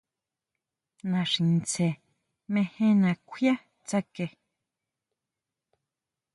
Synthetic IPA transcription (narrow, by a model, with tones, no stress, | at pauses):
nã˨ʂi˨nt͡se˨ | mẽ˦hẽ˦nã˨kʷʰja˦ | t͡sa˦ke˨